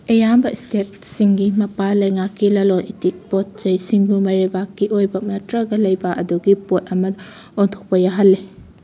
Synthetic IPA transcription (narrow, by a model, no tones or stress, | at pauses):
ejambɐistet̚siŋɡimɐpalɐjŋakːilɐlonʔitik̚pot̚t͡ʃɐjsiŋbumɐɾebakːiʔojbɐnɐtɾɐɡɐlɐjbɐʔɐduɡipot̚ɐmɐ | ontʰo̥k̚pɐjaɦɐlːe